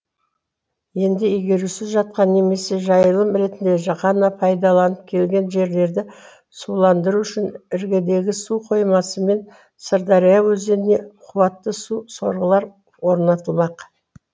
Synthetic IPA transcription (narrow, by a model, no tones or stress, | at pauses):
je̞nd̪ɪijɡʲe̞ɾusɪzʒɑt̪̚qɑnːe̞me̞se̞ʒɑjəlˠəmɾe̞t̪ɪnd̪e̞ʒɑqɑnɑpʰɑjd̪ɑlˠɑnəp̚kʲʰe̞lɡʲe̞nʒe̞ɾle̞ɾd̪ɪ | sulˠɑnd̪əɾuʏʃɪnɪɾɡʲed̪e̞ɡʲɪsuqʰo̞jmɑsəme̞n | səɾd̪ɑɾijɑwɵzd̪e̞ɾɪne̞qʰʊwɑt̪ːəsuso̞ɾʁəlˠɑɾ | woɾnɑt̪əlˠmɑq